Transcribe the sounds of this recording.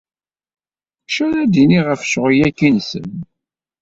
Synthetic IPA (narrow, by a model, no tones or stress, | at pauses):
ʃæɾæd̪iniʁəfʃəʁijækːinsə̰n